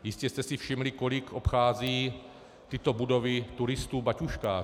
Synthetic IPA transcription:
jɪscɛst̪ɛsɪfʃɪmlɪkolɪkʰʔopxaːziː | t̪ɪt̪o̞budo̞vɪt̪uɾɪst̪uːbacuʃkaː

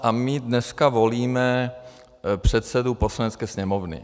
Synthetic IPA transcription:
ʔamɪdnɛskavo̞liːmɛ | pr̝̥ɛt̪sɛdupo̞slanɛt͡skɛːsɲɛmovnɪ̰

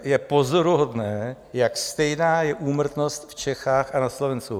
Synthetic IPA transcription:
jɛpo̞zoɾuɦo̞dnɛː | jakst̪ɛjnaːjɛʔuːmr̩t̪no̞st̪ft͡ʃɛxaːxʔanaslovɛnsku

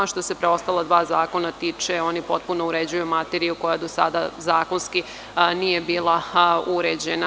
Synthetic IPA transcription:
ʃt̪o̞se̞pɾeo̞st̪alˠad̪ʋaːzaːko̞nat̪iːt͡ʂeo̞nipo̞t̪̚puno̞uɾed͡ʑujumat̪eɾijuko̞jad̪o̞sa̰d̪azaːko̞nski | nije̞biːlˠauɾed͡ʑena

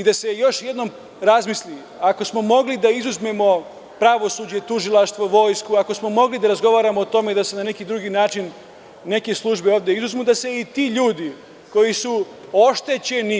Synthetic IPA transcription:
id̪ase̞jo̞ʃje̞d̪no̞m | ɾazmisli | ako̞smo̞mo̞ɡlid̪aizuzme̞mo̞ | pɾaʋo̞suːd͡ʑe̞t̪uʒilˠaʃt̪ʋo̞ʋo̞ːjskuako̞smo̞mo̞ɡlid̪aɾazɡo̞ʋaːɾamoːt̪o̞me̞d̪ase̞nane̞kid̪ɾuɡiːnaːt͡ʃinː | e̞ke̞slˠuʒbeoːʋd̪ʲjeizuzmud̪ase̞it̪iːʎuːd̪i | ko̞jisu | o̞ʃt̪e̞t͡ɕe̞ni

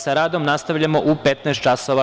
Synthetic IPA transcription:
saɾaːd̪omnast̪aʋʎamo̞ʔupet̪nast̪t͡ʃasoʋa

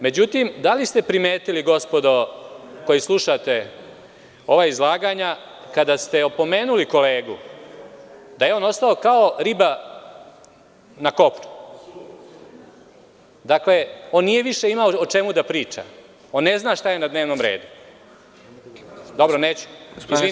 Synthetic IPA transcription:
me̞d͡ʑut̪imd̪alist̪e̞pɾimeːt̪iliɡo̞spo̞d̪oko̞jislˠuʃat̪e̞ | o̞ʋaːizlˠaːɡaɲa | kad̪ast̪e̞opo̞me̞ːnuliko̞le̞ːɡu | d̪ajeo̞ːno̞st̪ao̞kao̞ɾiba | nako̞pɾu̥ | d̪akle̞o̞ːnːije̞ʋiʃe̞imaoot͡ʂe̞mud̪apɾiːt͡ʂa̰ | o̞nːe̞znaːʃt̪aje̞nad̪ne̞ːʋnomɾe̞̰ːd̪u | d̪o̞bɾoneːt͡ɕu̥isi

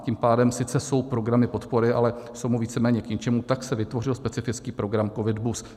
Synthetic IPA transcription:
ciːmpaːdɛmsɪt͡sɛso̞wpɾo̞ɡɾamɪpo̞t̪po̞ɾɪʔa̰lɛso̞wmuviːt͡sɛmɛːɲɛkɲɛt͡ʃɛmut̪aksɛvɪt̪vo̞rɪlspɛt͡sɪfɪt͡skiːpɾo̞ɡɾamko̞vɪdbus

